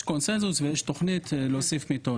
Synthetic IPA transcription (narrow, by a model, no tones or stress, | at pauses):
konsenzusvejeʃt̪o̞χnit̪losifmit̪o